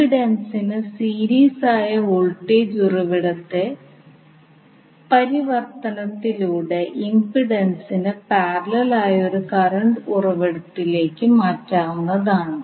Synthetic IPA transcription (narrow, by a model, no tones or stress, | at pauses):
iɽɐnsinɨsiːɾiːsaːjɐuɭʈːeːd͡ʑurɐʋiɽɐt̪ːe̞ | pɐɾiʋɐrt̪ɐnɐt̪ːiluːɽe̞ʔimbiɽɐnsinɨpaːrɐlɐlaːjɐo̞ɾukɐrɐɳɖurɐʋiɽɐt̪ːile̞ːkːɨmaːtːaːʋunːɐðaːɳɨ